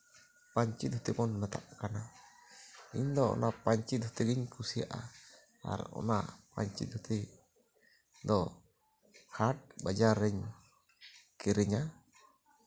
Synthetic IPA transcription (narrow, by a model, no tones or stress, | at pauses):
paɲt͡ʃit̪̚hut̪ikɔnmɛt̪a̰ʔkana | iɲd̪ɔɔ̰napaɲt͡ʃit̪̚hu̥t̪ɛɡiɲkusia̰ʔa̰ | a̰ɾ̰ɔ̰napa̰ɲt͡ʃḭt̪̚hut̪ʰi | d̪ɔ | hat̚bad͡ʒaɾːɛɲ | kiɾɛɲa